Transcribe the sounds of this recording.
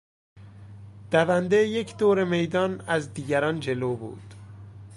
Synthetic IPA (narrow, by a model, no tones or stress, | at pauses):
d̪̥ævænd̪ejecʰd̪oːɾemejd̪ɒːnæzd̪iːɟæɾɒːnd͡ʒe̞loːbṵːd̪̥